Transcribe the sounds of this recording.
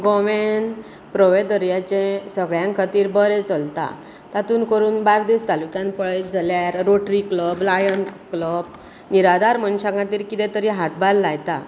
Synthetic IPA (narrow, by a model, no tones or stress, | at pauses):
ɡɔʋen | pɾəʋed̪əɾjat͡ɕẽsəɡɭjãŋkʰət̪iːɾbəɾet͡səlt̪a̰ | t̪at̪uːnkəɾuːnbaɾd̪ist̪alukjãnpəɭjd͡zaljaɾɾoʈɾikləblajənkləb̚ | niɾad̪aɾmənɕãŋɡãt̪iːɾkit̪ɛ̃t̪əɾiɦat̪balːajt̪a